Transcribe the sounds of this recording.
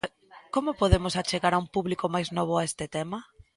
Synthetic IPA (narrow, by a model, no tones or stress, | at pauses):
komopoðemosat͡ʃeɣaɾaumpuβlikomajznoβ̞oaest̪ɪt̪ɛmɐ